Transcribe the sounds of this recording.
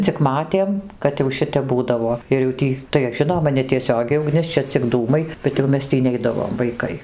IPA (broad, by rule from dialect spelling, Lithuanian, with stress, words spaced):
t͡sʲɪk ˈmɑːtʲeːm kɐt jɛʊ ˈʃʲɪtʲɛp ˈbuːdɐʋoː ɪr jɛʊ ˈtʲiː tɐɪ ˈʒʲɪnoːmɐ nʲɛtʲiɛˈsʲoːɡʲɛɪ ʊˈɡnʲɪs ˈt͡ʃʲɛ t͡sʲɪk ˈduːmɐɪ bʲɛt jɛʊ ˈmʲɛs ˈtʲiː ˈnʲɛɪdɐʋoːm ʋɐɪˈkɐɪ